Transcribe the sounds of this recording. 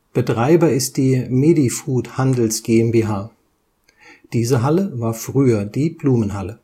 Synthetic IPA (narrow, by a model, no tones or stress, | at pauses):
b̥ətʁ̥aɪbɐɪst̚d̥iːmeːdifuːthandl̩sɡ̥eːɛmbeːɦaː | d̥iːzəɦaləvaːɐfʁ̥yːɐdiːbluːmənɦalə